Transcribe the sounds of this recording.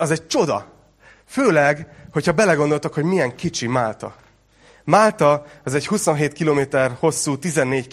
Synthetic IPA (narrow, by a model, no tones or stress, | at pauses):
ɒzɛɟ̚t͡ʃo̞d̪ɒ̰ | føːlɛɡho̞chɒbɛlɛɡo̞nd̪o̞lt̪okho̞ɟmijɛŋkit͡ʃimaːlt̪ɒ̰ | maːlt̪ɒɒzɛchuso̞nɦeːt̪kiloːmeːt̪ɛrho̞sːuːt̪izɛnːeːc